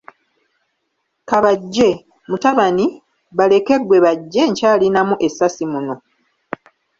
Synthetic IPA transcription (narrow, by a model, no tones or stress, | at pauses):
kaβaɟːe̞ | mutaβani | βale̞ke̞ɡwe̞βaɟːe̞ɲcaːlinamuʔe̞sːasimuno̞